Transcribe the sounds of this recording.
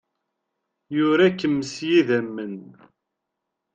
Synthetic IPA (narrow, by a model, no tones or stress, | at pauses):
jʊɾækːəmːəsjiðæmːən